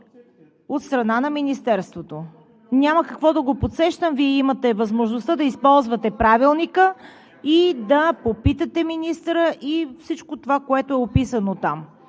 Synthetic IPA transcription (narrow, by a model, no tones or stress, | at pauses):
ot̪st̪ɾɐnanɐminist̪ɛɾst̪vot̪o | nʲaməkɐkvɔd̪ɐɡopot̪sɛʃt̪əmviɛimɐt̪ɛvɐzmoʒnost̪ad̪ɐispɔlˠzvɐt̪ɛpɾavilˠnikə | id̪ɐpopit̪ət̪ɛminist̪ɾəʔifsit͡ʃkot̪ovakoɛt̪oɛopisənot̪am